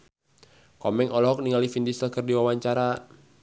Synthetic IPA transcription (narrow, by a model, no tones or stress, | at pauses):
kɔmɛŋʔɔlɔɦɔk̚niŋalifindisəlkərdiwawaɲt͡ʃaɾa